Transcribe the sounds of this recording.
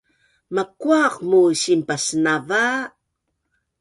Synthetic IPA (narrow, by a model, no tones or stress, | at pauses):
makuaqmuɕimpasnava